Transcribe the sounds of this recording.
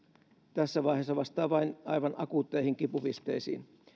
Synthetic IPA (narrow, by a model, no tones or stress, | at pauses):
t̪æsːæʋɑiɦesːɑʋɑst̪ɑːʋɑinɑ̰jʋɑnɑkut̪ːeihiŋkipupist̪eisḭːn